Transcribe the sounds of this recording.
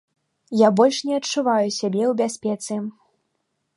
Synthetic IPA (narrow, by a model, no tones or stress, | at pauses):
jabɔlʲʂnʲɛɐt͡ʂuvajusʲabʲɛuwbʲasʲpʲɛt̪sɨ